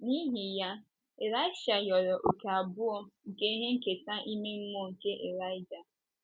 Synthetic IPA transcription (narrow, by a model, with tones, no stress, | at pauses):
ni˦ɦi˨ja˦ | e˨ɾa˦ɪ˦ʃa˨jɔ˨ɾɔ˨ʔo˨ka˨a˨bʊ˦ɔ˦ŋ̩˨ke˦ɦe˦ŋ̩˨ke˨sa˦ʔi˦me˦ŋ͡m̩˦mo˦ŋ̩˨ke˦ʔe˨ɾa˦ɪ˦d͡ʒa˨